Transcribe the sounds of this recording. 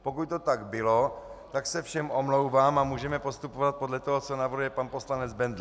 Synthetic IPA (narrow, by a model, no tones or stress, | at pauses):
po̞kuc̚t̪ot̪aɡbɪlot̪aksɛfʃɛmʔomlowvaːmamuːʒɛmɛpo̞st̪upovat̪̚po̞dlɛt̪oɦot͡sonavrɾujɛpanpo̞slanɛd͡zbɛnd̪l